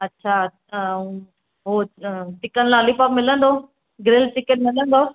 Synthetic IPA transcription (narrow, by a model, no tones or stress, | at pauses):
ɐtːɕʰa | ũː | ɦoʈɪkənlãɐlipapmɪlə̃nd̪o | ɡɾeːlʈɪkeʈ̚mɪlə̃nd̪o